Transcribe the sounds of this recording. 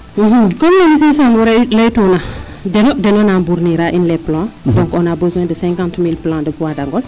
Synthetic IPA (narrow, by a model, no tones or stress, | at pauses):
m̩ɦ̩kɔmnɛmis̬ẽsãmɔɾɛlejtona | dɛnɔdɛnɔnambuɾniɾaʔinlɛplãdɔ̃ŋkɔnabəzwɛ̃ːdəsɛ̃ŋkãntmilplãːdəpuwadaŋɡɔl